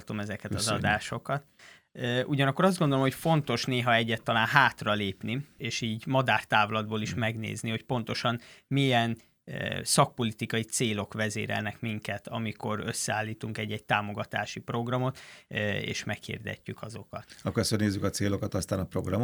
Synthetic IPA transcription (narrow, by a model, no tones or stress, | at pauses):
t̪o̞mɛzɛkɛt̪ɒzɒd̪aːʃo̞kɒt̪ː | ʔuɟɒnɒkːo̞ɾɒzdɡo̞nd̪olomɦocfo̞nt̪o̞ʃneːɦɒɛɟːɛt̪ːɒlaːnɦaːt̪rɒleːpnieːʃiːɟmɒd̪aːrt̪aːvlɒd̪̚boːliʃmɛɡnḛːzniho̞cpo̞n̪t̪o̞ʃɒnmijɛn | sɒk̚po̞lit̪ikɒit̪seːlo̞kʋɛzḛːɾɛ̰lnɛkmiŋkɛt̪ʰɒmiko̞ɾø̞̰sːɛaːlːiːt̪uŋkɛɟːɛɟ̚t̪aːmo̞ɡɒt̪aːʃipro̞ɡrɒmo̞t̪ḛːʃmɛkhḭːrd̪ɛ̰cːykɒzo̞kɒt̪ɒkosørneːzːykɒt̪seːlokɒt̪ɒst̪aːnɒpro̞̰ɡrɒm